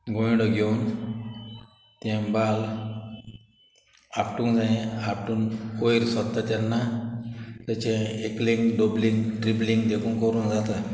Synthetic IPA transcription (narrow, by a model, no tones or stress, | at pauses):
ɡojɽɔɡeun | t̪ɛ̃bal | apʈũŋd͡zãẽapʈuːnojiɾsɔt̪ːat̪janːa | t̪at͡ɕẽeklẽŋɡɖobliŋɡʈɾiblĩŋɡd̪ekʰuːŋkəɾuːnd͡zat̪a